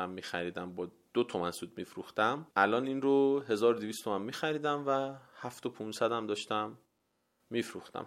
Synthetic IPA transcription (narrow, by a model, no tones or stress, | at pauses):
æmːiːxæɾiːd̪æmbɒː | d̪̥ot̪ʰɒmænsuːd̪̚miːfɾuxt̪æmʔælɒːninrohe̞zɒːɾod̪ivist̪ʰo̞mænmiːxæɾiːd̪æmvæhæft̪opʰunsæd̪æmd̪ɒːʃt̪æmː | iːfɾuxt̪æ̰m